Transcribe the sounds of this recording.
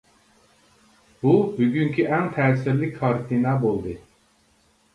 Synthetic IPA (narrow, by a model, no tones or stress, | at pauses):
b̥ubyɟʲyŋcʰyʔænt̪ʰɛːsiɾlʲicʲʰkʰaɾt̪ʰinabulˠd̪ɯ